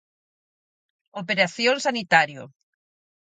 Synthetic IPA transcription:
opeɾaθjoŋsanit̪aɾjo̰

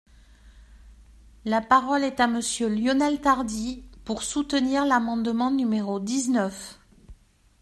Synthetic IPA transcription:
lapaʁɔlɛt̪aməsjøljɔnɛlt̪aʁd̪ipuʁsut̪əniʁlamɑ̃d̪mɑ̃nymeʁod̪iznœf

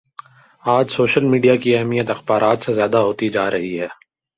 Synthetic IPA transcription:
aːd͡ʒsoːʃəlmiːɖijakiɛɦmijət̪ɐxbaːɾaːt̪sezjaːd̪aɦoːt̪id͡ʒaːɾɐɦiɦɛː

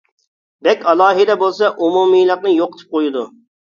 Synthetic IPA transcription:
b̪ɛkʲɑlˠɑːɦɨd̪ɛbolˠsɑʔumumijlˠəqnɨjoqːə̥t̪ʰɨ̥p̚qojud̪u

